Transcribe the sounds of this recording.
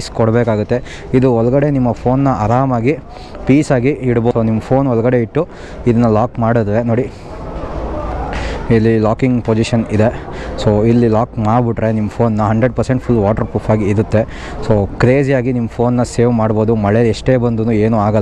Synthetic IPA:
skɔɽbeːkaːɡut̪ːe̞ | id̪uɔlɐɡɐɽe̞nimːɐpʰo̞ːnːɐɐɾaːmaːɡi | piːsaːɡiiɽbosoːnimːɐpʰo̞ːnɔlɐɡɐɽe̞iʈːu | id̪ɐnːɐlaːkmaːɽud̪ɐɾeno̞ːɽi | ilːilaːkiŋɡpoːd͡ʒiʃɐnid̪e̞soːilːilaːkmaːɖbiʈɾenimːɐpʰo̞ːnːɐɦɐɳɖɾeɖ̚pɐɾseɳʈ̚pʰulːʋaːʈɐɾpuːpʰaːɡiːɾut̪ːe | soːkɾe̞ːd͡ʒijaːɡinimːɐpʰo̞ːnːɐse̞ːʋmaːɽbo̞ːd̪umɐɭeɛʂʈe̞ːbɐnd̪unuːe̞ːnuːaːɡɐl

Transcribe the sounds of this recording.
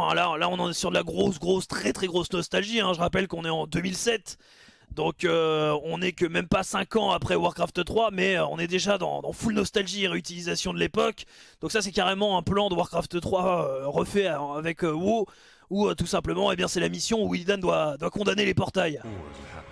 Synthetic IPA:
ɛ̰̃lalaɔ̃nɑ̃nɛsyʁd̪əlaɡʁosɡʁost̪χɛt̪χɛɡʁosnɔst̪alʒiɛ̃ʒəʁapɛlkɔ̃nɛɑ̃d̪ømilsɛt̪ | d̪ɔ̃køɔ̃nɛkəmɛmpasɛ̃kɑ̃apχɛwaʁkχaft̪t̪χwamɛøɔ̰̃nɛd̪eʒad̪ɑ̰̃d̪ɑ̃fulnɔst̪alʒieʁeyt̪ilizasjɔ̃d̪əlepɔkd̪̥ɔ̃ksasɛkaʁemɑ̃ɛ̃plɑ̃d̪əwaʁkχaft̪t̪χwaøʁəfɛaːvɛkøwo | uøt̪usɛ̃pləmɑ̃ebjɛ̃sɛlamisjɔ̃uwid̪and̪wad̪wakɔ̃d̪anelepɔʁt̪aj

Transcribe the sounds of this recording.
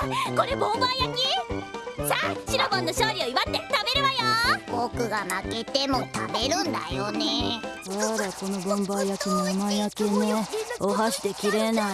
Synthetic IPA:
koɾebõmbajakʲi | saɕiɾomãnːoɕoːɾʲioiβat̪ːet̪abe̞ɾeβajoɡokɯ̟ɡanake̞t̪e̞mo̞t̪a̰be̞ɾɯ̟̃nd̪a̰jonedaɾako̞no̞bõ̞mbajakʲinomajakʲeneoɦaɕi̥d̪e̞kʲiɾe̞na

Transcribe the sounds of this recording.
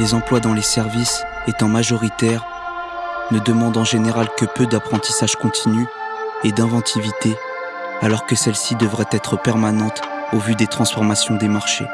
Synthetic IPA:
lezɑ̃plwad̪ɑ̃lesɛʁvis | et̪ɑ̃maʒɔʁit̪ɛʁ | nəd̪əmɑ̃d̪ɑ̃ʒeneʁalkəpød̪apχɑ̃t̪i̥saʒkɔ̃t̪ʰiny | ed̪ɛ̃vɑ̃t̪ʰivit̪e | alɔʁkəsɛlsid̪əvʁɛt̪ɛt̪χəpɛʁmanɑ̃t̪ | ovyd̪et̪χɑ̃sfɔʁmasjɔ̃d̪emaʁʃḛ

